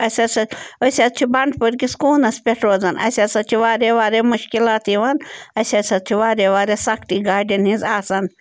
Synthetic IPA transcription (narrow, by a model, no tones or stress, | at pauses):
ɐsʲɐsɐosʲɐt̪̚t͡ʃʰibɐɳɖpɐɾkiskuːnɐspʲeʈʰɾoːd͡zɐnɐ̰sʲɐsɐt͡ʃʰiʋaːɾeːʋaːɾemuʃkilaːt̪iʋɐnɐsʲɐsɐt̪̚t͡ʃʰiʋaːɾeːʋaːɾesɐkʰt̪iːɡaːɖɐnhĩzaːsɐn